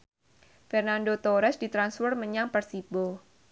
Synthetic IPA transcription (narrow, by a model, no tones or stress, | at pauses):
fɛrnandot̪oɾɛsdit̪ɾansfərməɲaŋpərsibo